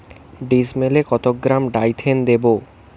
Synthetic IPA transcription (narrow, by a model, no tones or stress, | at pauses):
ɖismelekɔt̪oɡːɾamɖajt̪ʰend̪ebo